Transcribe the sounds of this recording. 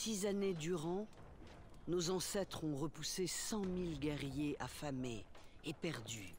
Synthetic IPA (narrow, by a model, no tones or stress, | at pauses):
sizaned̪yʁɑ̃ | nozɑ̃sɛt̪χɔ̃ʁəpusesɑ̃milɡʲɛʁjeʔafameːpɛʁd̪y